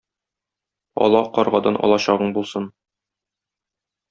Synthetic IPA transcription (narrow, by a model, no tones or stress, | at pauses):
ɒ̰lˠɑqɒɾʁɑd̪ɑnʔɒ̰lˠɑɕɑʁɤɴbulˠsɤn